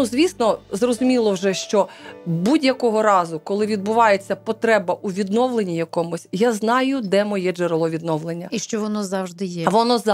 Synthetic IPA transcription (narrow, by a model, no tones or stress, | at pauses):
nuzʲʋʲisnɔzrɔzʊmʲilˠɔwʒɛʃt͡ʃɔbudʲjɐkɔɦɔɾɑzʊkɔlˠɪʋʲid̪̚bʊʋɑjet͡sʲːɐpɔt̪ɾɛbɐʔuʋʲid̪nɔʋlˠenʲijɐkɔmʊsʲjaznɑjʊd̪ɛmɔjɛd͡ʒeɾlˠɔʋʲid̪nɔʋlˠenʲːɐiʃt͡ʃɔʋɔnɔzɑwʒd̪ɪjɛʋɔnɔz